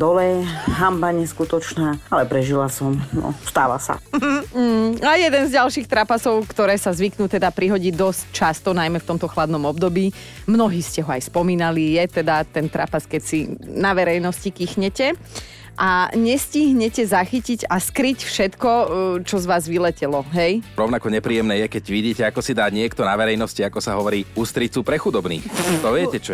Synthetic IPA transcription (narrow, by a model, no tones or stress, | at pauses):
d̪ɔlɛɦambaɲɛskut̪ɔt͡ʃnaːalɛpɾɛʒilasɔmnɔ̰st̪a̰ːʋa̰sa̰ | ajɛd̪ɛnzɟalʃiːxt̪ɾapasɔʊkt̪ɔɾɛːsazʋiknuːt̪ɛd̪apɾiɦɔɟiːd̪ɔsc̚t͡ʃast̪ɔnajmɛft̪ɔmt̪ɔxlad̪nɔmɔb̚d̪ɔbiː | mnɔɦiːscɛɦɔajspɔmiːnalijɛt̪ɛd̪at̪ɛnt̪ɾa̰paskɛcsinaʋɛɾɛjnɔscikixɲɛcɛ | ʔaɲɛsciɦɲɛcɛzaxiciɟaskɾicfʃɛt̪kɔt͡ʃɔzʋaːzʋilɛcɛlɔɦɛjɾɔʊnakɔɲɛpɾiːjɛmnɛːjɛkɛɟʋiɟiːcɛakɔsid̪aːɲɪɛkt̪ɔnaʋɛɾɛjnɔsciakɔsaɦɔʋɔɾiːust̪ɾit͡supɾɛxud̪ɔbnḭːxt̪ɔʋɪɛɛt͡ʃɔ